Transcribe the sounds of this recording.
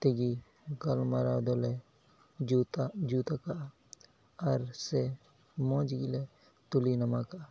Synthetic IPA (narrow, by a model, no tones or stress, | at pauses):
t̪iɡi | ɡɐlmaɾad̪ole | d͡ʒut̪d͡ʒut̪aka | ɐɾse | mõːd͡ʒiɡile | t̪ulinɐmaka